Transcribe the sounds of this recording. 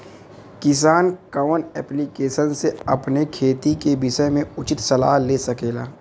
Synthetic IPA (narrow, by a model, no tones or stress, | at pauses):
kɪs̬aːnkaːnɛːplikeːʃənseɐpnekʰeːt̪ikebɪʃəmẽʊt͡ʃɪt̪sɐla̰ːɦlesɐkeːlaː